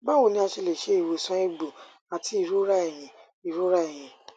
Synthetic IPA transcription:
ba˦wo˧˨nĩ˧˦a˧ʃe˧le˨ʃe˦i˨we˨sɔ̃˨˦e˦ɡ͡bu˨ | a˧tʰi˦i˨ɾu˦ɾa˦ɛ˨j̃ĩ˨ | i˨ɾu˦ɾa˦e˨j̃ĩ˨

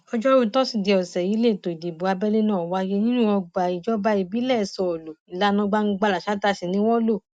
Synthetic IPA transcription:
ɔ˧d͡ʒɔ˦ɾu˦tɔ˦si˦˨de˧ɔ˨sɛ˨ji˨˦le˦˨to˨i˨di˨bu˨a˧bɛ˦le˦nãː˦˨wa˧je˧nĩ˦nũ˦ɔ̃˧ɡ͡ba˨i˨d͡ʒɔ˦ba˧i˨˧˨bi˦lɛ˦˨sɔ˧˨o˨lo˨i˨la˨˦nɔ̃˧ɡ͡ba˧ŋ̩˦ɡ͡ba˧la˨ʃa˨˦ta˧˨si˨nĩ˨˦wɔ˦lo˦˨

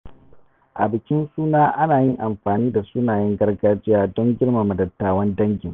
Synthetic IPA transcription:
ʔa̰˨bɪ˨kʲɪ˦nsuː˦naː˦ʔa˦naː˨jɪ˦ŋʔa˨mɸaː˨niː˦da˨sʊ˦naː˨jɛ˦ŋɡɐ˦rɡaː˦d͡ʒɪ˦jaː˦dɔ˦ŋɡʲɪ˦rma˨mɐ˨dɐ˨tːaː˨wɐ˦ndɐ˦ŋɡʲɪ˨ŋ

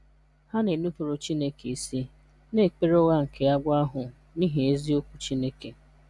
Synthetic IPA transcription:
ha˦ne˨nu˦fo˨ɾo˨t͡ʃi˦ne˦ke˨i˨si˦ | ne˦˨k͡pe˦ɾo˦ɣa˦ŋ̩˨kʰe˨a˦ɡʷa˦a˦ɦʊ˨ | ni˦ɦe˨e˦zi˦o˦kʷu˨t͡ʃi˦ne˦ke˨

